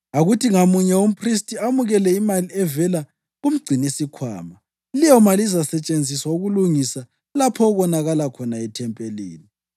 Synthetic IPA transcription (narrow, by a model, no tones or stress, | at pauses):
aɣutʰiŋamuɲɛum̩pʰristʼiamuɣɛlɛimaliɛvɛla | ɣum̩ɡ͡ǀʱinesikʰwa̰ːma | lijɔmalizasɛt͡ʃʼend͡zʱiswauɣuluŋisa | lapʰɔɣɔnaɣalakʰɔnaɛtʰɛmpʼelḭːni